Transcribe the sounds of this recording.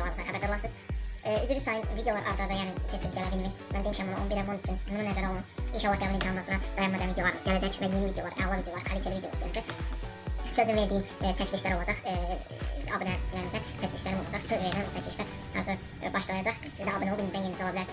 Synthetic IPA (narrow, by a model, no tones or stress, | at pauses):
lˠɑɾmɯzɑɾɦhæbæd̪ɛblˠɑsɯz̥yzyɾysɑjɯnvid̪ejoɑɾʔɑ̰ɾd̪ɑɾd̪ɑjæːnit̪ʰesinɟælæbilʲmæjmænd̪emiʃæmːunuʔonbiɾɛmonyt͡ʃʰynmununæzæɾæolˠuninʃɑlˠːɑɡæbulˠinʰɑnɯnɑnsoɾɑd̪̥ɑjɑmmɛd̪ænvid̪jo̞lˠɑɾmɯz̥ɟælæd͡ʒæcvæjenivid̪ejo̞lˠɑɾɛ̰lˠɑvid̪ejolˠɑɾkʰalʲit̪ʰelevid̪eoɾdøɾd͡ʒ̪y | søzynveɾd̪ijint̪ʰæcʰlʲiʃlæɾolˠɑd͡ʒɑχ | ɑbɯnhæsi̥silʲːæɾind̪æt̪ʰæcʰlʲiʃclæɾimolˠɑ̰d͡ʒɑχsøzveɾd̪æmbut̪ʰæcʰliʃlæɾ | hɑ̰ɾzɯɾ | bɑʃlˠɑajɑd͡ʒɑχsizd̪æɑbɯnolˠbilmizd̪ænjenzolˠɑbilæɾsiz̥